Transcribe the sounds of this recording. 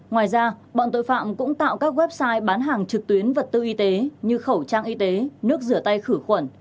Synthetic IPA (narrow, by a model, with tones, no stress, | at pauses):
ŋwaː˨˩jzaː˧ɓɔ̰˧˨nt̪o̰˧˨jfa̰ː˧˨mkʊ̰˧˥ŋ͡mt̪a̰ː˧˨wkaː˦˥k̚wɛ˦˥p̚saː˧jɓaː˨˦nɦaː˨˩ŋt͡ɕɨ˨˩k̚t̪wi˨˦ənvə˨˩t̚t̪ɨ˧ʔi˧t̪e˨˦ɲɨ˧xə˧˩wt͡ɕaː˧ŋʔi˧t̪e˨˦nɨ˦˥ək̚zɨ˧˩ət̪a˧jxɨ˧˩xwə˧˩n